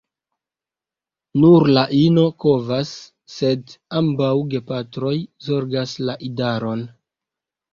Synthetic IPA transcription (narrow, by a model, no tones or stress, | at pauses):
nuɾlaʔino̞ko̞vasː | e̞dambawɡe̞patɾo̞jzo̞ɾɡaslaʔidaɾo̞n